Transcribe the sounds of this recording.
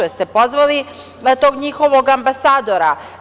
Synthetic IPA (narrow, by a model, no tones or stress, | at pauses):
est̪epo̞zʋali | t̪o̞ːɡɲixoʋo̞ɡambasaːd̪oɾa